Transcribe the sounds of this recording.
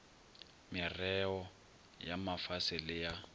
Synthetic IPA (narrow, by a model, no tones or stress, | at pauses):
mɪrɛɔ | jamafasɪlɪja